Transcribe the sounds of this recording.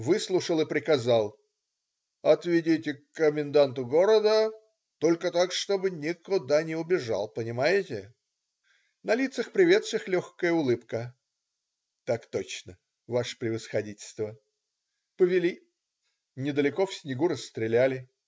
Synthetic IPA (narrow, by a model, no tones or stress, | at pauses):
vɨslˠʊʂəlˠɨpɾʲɪkɐzalˠ | ɐt̪vʲɪdʲitʲɪkːəmʲɪnd̪ant̪ʊɡo̞ɾəd̪ə | t̪o̞lʲkət̪akʂt̪o̞bɨnʲɪkʊd̪anʲɪʊbʲɪʐa̰lˠpənʲɪmajɪtʲɪ | nɐlʲit̪səxpɾʲɪvʲe̞t̪sʂɨxlʲoxkəjəʊlˠɨpkə | t̪akt̪ot͡ɕnə | vaʂə̥pɾʲɪvəsxɐdʲitʲɪlʲst̪və | pəvʲɪlʲi | nʲɪd̪əlʲɪkofsʲnʲɪɡuɾəsːt̪ɾʲɪlʲælʲɪ